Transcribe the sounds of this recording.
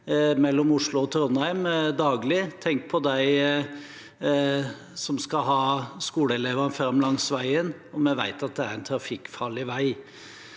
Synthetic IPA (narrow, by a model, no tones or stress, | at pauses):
mɛlːɔmʊʂlʊɔt̪ʰɾɔnæɪmd̪ɑːɡlɪt̪ʰɛŋk̚pʰɔd̪æɪ | sɔmskɑɦɑːskuːləɛleːʋɑnfɾɑmlɑŋsʋæɪən | ɔmɛʋæ̰ɪt̪ɑt̪̚d̪ɛæɾæɪnt̪ʰɾɑfɪkːfɑlɪʋæɪ